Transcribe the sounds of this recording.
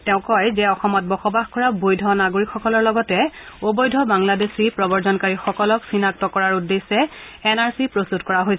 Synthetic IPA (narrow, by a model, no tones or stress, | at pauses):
tɛʊ̃kɔjzɛɔxɔmɔt̚bɔxɔbaxkɔɹabojdʱɔnaɡoɹikxɔkɔlɔɹlɔɡɔtɛobojdʱɔbaŋladesipɹɔbɔɹzɔnkaɹixɔkɔlɔksinak̚tɔkɔɹaɹudesɛ | ɛnaɹsipɹostutkɔɹaɦojsɛ